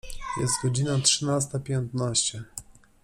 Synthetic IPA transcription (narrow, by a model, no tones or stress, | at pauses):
jɛ̰st̪ɡɔd͡ʑinatʂɨnast̪apʲjɛnt̪naɕt͡ɕɛ